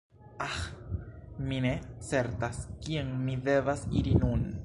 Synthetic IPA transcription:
ax | mine̞t͡se̞ɾtaskieŋmide̞vasiɾinun

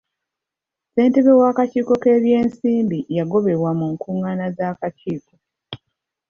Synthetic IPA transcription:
se̞ːnte̞βewaːkaciːko̞ke̞ːβje̞ːnsiːmbijaɡo̞βe̞βwamuŋkuːŋanazaːkaciːko

